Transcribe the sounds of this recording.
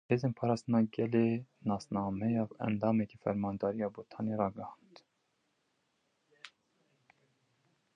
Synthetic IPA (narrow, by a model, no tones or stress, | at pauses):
heːzeːnpʰɑːɾɑːst̪ənɑːɡɛlenɑːsnɑːmɛjɑːɛ̰nd̪ɑːmɛkifɛ̰ɾmɑːnd̪ɑːɾijɑːbot̪ʰɑːnerɑːɡəhɑnd̪